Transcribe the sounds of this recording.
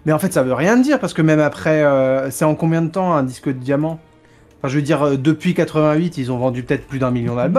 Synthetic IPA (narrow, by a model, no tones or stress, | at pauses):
mɛɑ̃fɛt̪savøʁjɛ̃d̪iʁpaʁsə̥kəmɛmapχɛøsɛɑ̃kɔ̃bjɛ̃d̪ət̪ɑ̃ɛ̃d̪iskəd̪əd̪jamɑ̃ | ɑ̃fɛ̃ʒəvəd̪iʁød̪əpɥikat̪χəvɛ̃ɥit̪ilzɔ̃vɑ̃d̪ypø̥ət̪ɛt̪χplyd̪ɛ̃miljɔ̃d̪albɔ